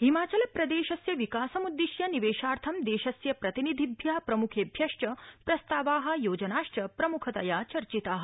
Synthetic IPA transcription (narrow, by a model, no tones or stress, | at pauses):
ɦimaːt͡ʃɐlɐpɾɐd̪eːʃɐsjɐʋikaːsɐmud̪ːiʃjɐniʋeːʃaːɾt̪ʰɐmd̪eːʃɐsjɐpɾɐt̪inid̪ʱibʱjaːpɾɐmukʰeːbʱjɐʂʈɐpɾɐst̪aːʋaːɦɐ̆joːd͡ʒɐnaːʂʈɐpɾɐmukʰɐt̪ɐjaːt͡ʃɐɾt͡ʃit̪aːɦɐ̆